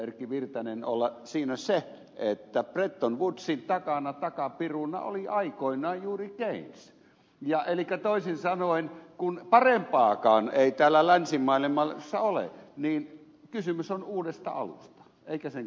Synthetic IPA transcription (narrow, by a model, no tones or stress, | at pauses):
erkːiʋirt̪ɑnenolːɑsiːnæse | et̪ːæpret̪ːonʋut̪sint̪ɑkɑnɑt̪ɑkɑpirunːɑ̰o̰liʔɑikoinˑɑːjjuːrikeins | jɑʔelikːˑæt̪oisinsɑnoinkunpɑrempɑːkɑːneˑit̪æːlːælænsimːɑilimɑlsːɑolḛniːn | kysymysonuːdest̪ɑ̰ɑ̰lṵst̪ɑ̥ | eikæseŋ